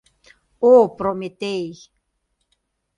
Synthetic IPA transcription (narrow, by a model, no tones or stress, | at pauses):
opɾomet̪ej